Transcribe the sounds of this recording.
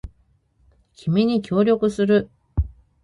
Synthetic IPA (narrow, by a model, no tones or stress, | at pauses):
kʲʰimeɲ̟ikʲo̞ːɾʲjo̞kɯ̟sɨɾɯ̟